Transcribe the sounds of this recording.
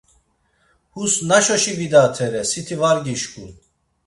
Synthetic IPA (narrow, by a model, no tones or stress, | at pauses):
husnaʃɔʃivid̪at̪ʰɛɾɛsit̪ʰivaɾɡiʃkʼun